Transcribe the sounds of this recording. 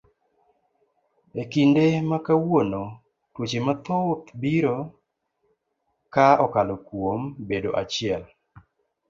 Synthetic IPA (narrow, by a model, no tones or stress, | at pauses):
ekindemakawono | twot͡ʃemat̪ot̪biɾo | kaɔkalokwombedoʔat͡ʃɪɛl